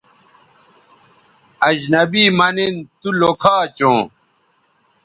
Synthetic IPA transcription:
ɐd͡ʑnɐbiːmɐnent̪ulokʰaːt͡ɕõː

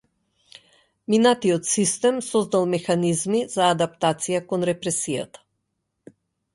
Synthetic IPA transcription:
minat̪iɔt̪sist̪ɛmsɔzd̪alˠmɛxanizmiz̥aːd̪apt̪at̪sijakɔnɾɛpɾɛsija̰t̪ḁ

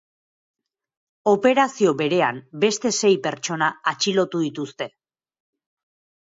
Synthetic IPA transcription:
o̞pe̞ɾasio̞βe̞ɾe̞ambe̞st̪e̞se̞jpe̞ɾt͡ʃo̞naːt͡ʃilo̞t̪uðit̪ust̪e̞

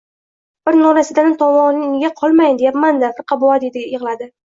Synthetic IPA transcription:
b̥ɪɾnɒɾasɪd̪anɪt̪ʰɒmɒnɪŋɡʲaqʰɒlˠmajnd̪ejapmand̪afɪɾqʰɑbʊad̪ed̪ʲjɪʁlad̪ɪ

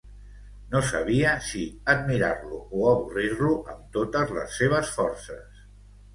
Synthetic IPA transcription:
nosə̰β̞iəsiəd̪̚miɾarluʔoəβurirluʔəmt̪ot̪əzlə̰sːeβ̞əsfɔɾsəs

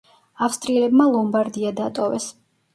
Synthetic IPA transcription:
afst̪ʼɾiɛlɛbmalˠɔmbaɾd̪iad̪at̪ʼɔvɛ̰s

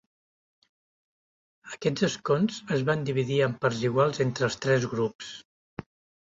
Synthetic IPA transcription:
əkɛd͡zəskonzəzβand̪iβ̞iðiəmpəɾziɣwalˠzent̪ɾəːlˠst̪ɾɛzɣɾups

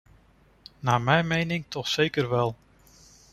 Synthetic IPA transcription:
naːmɛjmejnɪŋtʰɔxsejkərʋɛlˠ

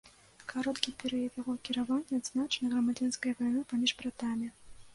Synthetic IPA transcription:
kʰaɾɔt̪kʲipʲɛɾɨjɐt̪jaɣɔkʲiɾavanʲːɛad̪znat͡ʂɐnɐɣrɐmad͡zʲanskɐjɐvajnɨpamʲiʐbɾat̪amʲi

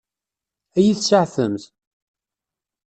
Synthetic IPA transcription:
æjiθsaʕθəmθ

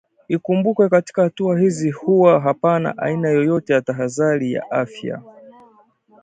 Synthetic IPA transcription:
ikumbukwɛkati̥kahatuaɦizihuwaɦapana̰ʔa̰inajɔjɔtɛjataɦaðaɾija̰ʔafja̰

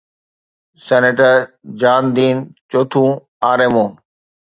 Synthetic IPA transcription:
sɛːneʈəɾ | d͡ʑaːnd̪iːnt͡ɕoːt̪ʰũː | aːɾemõː

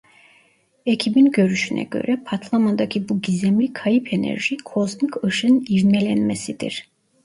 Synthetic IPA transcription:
ecʰibinɟø̞ɾyʃynʔɛ̰ɟø̰ɾɛpʰat̪ʰlˠamand̪acʰibuɟizɛmlʲikʰajipʰenɛ̰ɾʒikʰo̞zmikʰɯʃɯniɾnɛlʲɛnmɛsid̪ḭɾ̥

